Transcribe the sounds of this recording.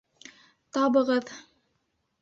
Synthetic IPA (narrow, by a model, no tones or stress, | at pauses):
t̪ɑbɤ̆ʁɤð